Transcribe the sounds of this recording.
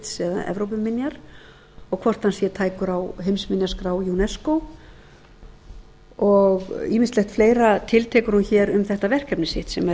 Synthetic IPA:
t̪sɛða̰ʔɛ̰vɾowp̬ʏmɪnjaɾ̥ | ɔɣkʰvɔr̥t̪hansjɛt̪ʰaːjkʏɾawɦejmsmɪnjaskɾaːwjunɛskow | ɔɣiːmɪst̪ɛht̪fleːjɾat̪ʰɪlt̪ʰɛːkʏɾ̥hunçɛɾʏmθɛht̪avɛr̥kɛpnɪsɪht̪sɛmɛ

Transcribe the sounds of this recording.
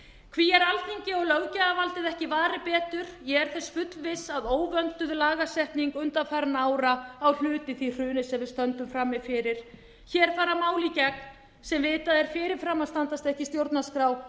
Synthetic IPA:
kʰviɛɾalθiɲcɪɔɣlœɣcaɣavalt̪ɪðɛhcɪvaːɾɪpɛːt̪ʏɾ̥jɛɣɛɾ̥θɛsfʏt̪vɪsaðoːwvœnt̪ʏðlaːɣasɛhp̪niŋkʏnt̪afajɾanaːwɾaːwl̥ʏːt̪ɪθir̥ʏːnɪsɛmvɪðst̪œnt̪ʏmfɾamːɪfɪːɾɪɾ̥ | çɛːɾ̥faːɾamaːwlicɛk̚n | sɛmvɪːt̪aðɛɾ̥fɪːɾɪɾ̥fɾamːast̪ant̪ast̪ɛhcɪst̪jowɾt̪naskɾaːw

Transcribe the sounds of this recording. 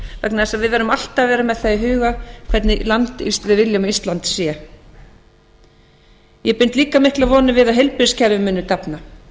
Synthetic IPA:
vɛknaðɛsaðvɪðvɛːɾʏmal̥t̪avɛːɾamɛðθaɦʏːɣakʰv̥ɛt̪nɪlant̪ḭst̪vɪðvɪljamist̪lant̪sjɛ | jɛpʏn̥t̪liːkamɪhklaðvɔːnɪvɪðaðɦejlpʏɾscʰɛɾvʏmːɪnːʏt̪apna

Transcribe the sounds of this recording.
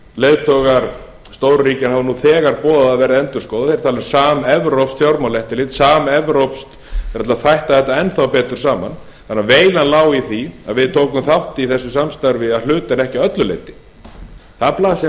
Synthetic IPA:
leːjðt̪ʰɔɣaɾ̥ | st̪owɾriːcɪnhavanuːθɛːɣaɾpɔːðaːvɛːɾaðɛnt̪ʏɾ̥skoːwðaθejɾ̥t̪ʰalɛɾsaːmɛvɾowpst̪θjawɾmalɛht̪ɪlɪt̪saːmɛvɾowpst̪ | ɛɾat̪aθajht̪aθɛht̪ːaɛnθawpɛːt̪ʏɾ̥saːma̰n | θanːaveːjlanlaːwiθia̰ðvɪðt̪ʰoːwkʏmθawht̪iθɛsːʏsamst̪aɾvɪaðlʏːt̪anɛhcɪœt̪lʏlḛːjt̪ɪ̥ | θaðplaːsa

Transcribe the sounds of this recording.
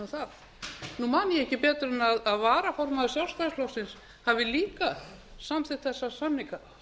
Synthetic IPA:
θað | numanɪjɛhcɪpɛːt̪ɾɛnaðaðvaːɾafɔɾmaðʏɾsjawlsfaɾslɔwfsɪns | havɪliːka | samθɪθɛsːasamːika

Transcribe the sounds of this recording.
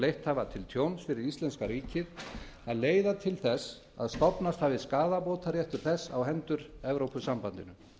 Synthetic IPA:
lejht̪haːvat̪ʰɪlt̪ʰjownsfɪɾɪɾist̪ɛnskaɾiːcɪð | aðleːjðat̪ʰɪlθɛs | a̰ðst̪ɔpnast̪haːvɪskaːðapoːwt̪aɾjɛht̪ʏɾ̥θɛsːawɦɛnt̪ʏɾɛvɾowpʏsampant̪ɪnʏ

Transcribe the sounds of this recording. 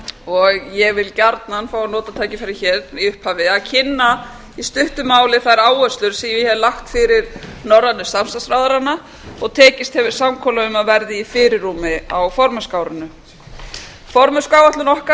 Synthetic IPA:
ɔɣjɛɣvɪlcaɾt̪nanfaːwanɔːt̪at̪ʰaːjcɪfaɾɪçɛːɾiʏhphaːvɪacʰɪnːa | ist̪ʏht̪ʏmaːwlɪθaðɪɾaːwœst̪lʏɾ̥siɪhɛvlaxt̪fɪɾɪɾnɔɾːanːʏsamst̪asɾaːwðaɾanːa | ɔɣt̪ʰɛːcɪst̪hɛvɪɾ̥samkʰɔlaʏmaðvɛɾðɪifɪɾɪrːuːmɪawfɔɾmœskaːwɾʏnʏ | fɔɾmœskaːwaht̪lʏnɔhka

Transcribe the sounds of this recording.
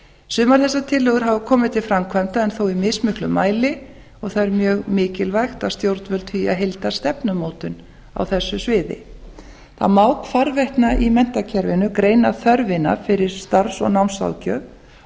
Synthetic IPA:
sʏːmaɾ̥θɛsːat̪ʰɪlːʏɣʏɾ̥ɦavʏkʰɔːmɪt̪ʰɪlfɾamkʰvajmt̪aɛnθowimɪsmʏhklʏmaːjlɪ | ɔɣθaðɛɾmjœːɣmɪːcɪlvajxt̪aðst̪jowɾt̪nvœlt̪ʰiaðɦejlt̪ḁst̪ɛpnʏmowt̪ʏn | a̰wθɛsːʏsvɪːðɪ̰ | θa̰ðmawkfaɾvɛjht̪naʔimɛn̥t̪acʰɛɾvɪnʏkɾeːjnaθœɾvɪna̰fɪɾɪɾ̥st̪aɾsɔ̰ɣnawmsa̰wcœ̰ː

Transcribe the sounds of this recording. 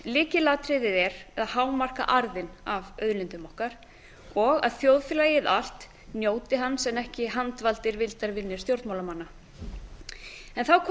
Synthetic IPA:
lɪːcɪlaːt̪ɾɪðɪðɛɾɛðahaːwmar̥ka̰ʔaɾðɪnavœðlɪnt̪ʏmahkaɾ̥ | ɔɣa̰ðθjowðfɪlaːjɪðal̥t̪ | njoːwt̪ɪɦanːsɛmɛhcɪɦant̪valt̪ɪɾvɪlt̪aɾvɪnːɪɾ̥st̪jowɾt̪mawlamanːa | ɛnθawkʰ

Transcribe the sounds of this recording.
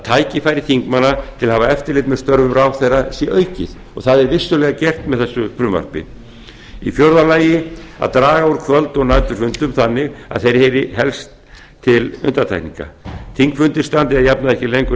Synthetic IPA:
at̪ʰaːjcɪfajɾɪθiŋkmanːat̪ʰɪlhavaɛft̪ɪɾlɪːt̪mɛðst̪œɾvʏmɾawθejrasjɛʔœːɥcɪθ | ɔ̰ɣθaðɛɾvɪst̪ʏlɛɣacɛr̥t̪mɛðθɛsːʏfɾʏmva̰ɾ̥pɪ̰ | ifjɔɾðalaːjɪa̰ðt̪ɾaːɣaɔɾkʰvœlt̪ɔɣnajt̪ʏɾ̥fʏnt̪ʏmθanːɪɣa̰ðθejɾhejɾɪɦɛlst̪ʰː | ɪlʏ̰nt̪aɾt̪ʰa̰jkniŋka̰θʰiŋkfʏnt̪ɪ̥st̪ant̪ɪaðjapnaðɛhcɪlejŋkʏ

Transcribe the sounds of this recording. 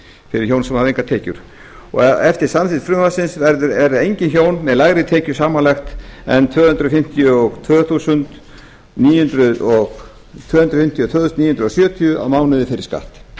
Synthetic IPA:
fɪɾɪɾçoːwnsɛmhaðejŋkat̪ʰɛːcʏɾ̥ | ɔ̰ɣɛft̪ɪɾ̥samθit̪fɾʏmvasɪnsvɛɾðʏɾɛɾðɪejɲcɪnçoːwnːɛlaɣɾɪt̪ʰɛːcʏsaːmanlɛxt̪ɛnt̪ʰvœːhʏnt̪ɾʏfɪm̥t̪ʰjʏɔɣt̪ʰvœːθuːsʏnt̪ | niːjhʏnt̪ɾʏðɔɣ | t̪ʰvœːhʏnt̪ɾʏfɪm̥t̪ʰjʏt̪ʰvœːθʏst̪niːjhʏnɾʏðɔsjœːt̪ʰiʏa̰wmaːwnʏðɪfɪɾɪ̥ska̰ht̪

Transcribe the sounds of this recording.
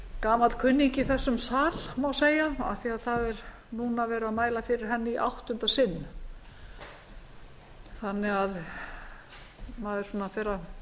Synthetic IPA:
kaːmakʰʏnːiɲcɪθɛsːʏmsaːlmawseːjaa̰θiaðθaðɛɾ | nuːnavɛːɾʏaðmaːjlafɪɾɪɾ̥ɦɛnːɪiʔa̰wht̪ʏnt̪asɪnː | θanːɪɣað | maːðɪɾ̥sɔnafɛːɾa

